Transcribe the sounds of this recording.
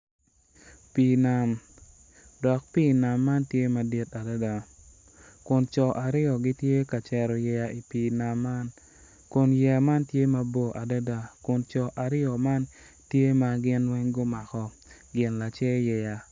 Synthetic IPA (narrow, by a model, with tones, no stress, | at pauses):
pi˨na˨m | dɔ˨k̚pi˦˨na˨mːa˦ntje˦ma˨di˦ta˨da˦da˨ | kʊ˨nt͡ʃɔ˨ʔa˨ɾɪ˦ɔ˨ɡɪ˦tje˦ka˨t͡ʃɛ˨ɾɔ˨jɛ˨ja˨i˨piː˨na˨mːa˦n | kʊ˨njɛ˨ja˨ma˦ntje˦ma˦bo˦ʔa˨da˦da˨kʊ˨nt͡ʃɔ˨ʔa˨ɾɪ˦ɔ˨ma˦n | tje˦ma˨ɡɪ˦nwɛ˦ŋɡo˦ma˨kɔ˨ | ɡɪ˨nla˨t͡ʃɛ˦jɛ˨ja˨